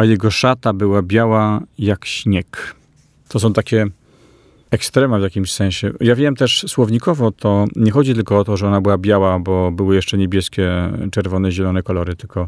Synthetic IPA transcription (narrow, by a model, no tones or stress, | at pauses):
ajɛɡɔʂat̪abɘwabʲjawajakɕɲɛk | t̪ɔs̬ɔ̃w̃t̪akʲɛ | ɛkst̪ɾɛmavjakʲimɕsɛ̃ɕɛjavʲjɛmt̪ɛʂswɔvɲikɔvɔt̪ʰɔɲɛxɔd͡ʑit̪ɘlkɔɔt̪ɔʐɛɔnabɘwabʲjawabɔbɘwɘjɛʂt͡ʂɛɲebʲjɛskʲɛt͡ʂɛɾvɔnɛʑɛlɔnɛkɔlɔɾɘt̪ɘlkɔ